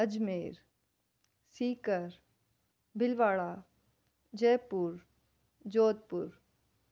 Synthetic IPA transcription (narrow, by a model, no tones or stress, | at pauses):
ɐd͡ʒmeːɾ | siːkəɾ | bɪlʋaːɭaː | d͡ʒeːpuɾ | d͡ʒoːd̪̚pʊɾ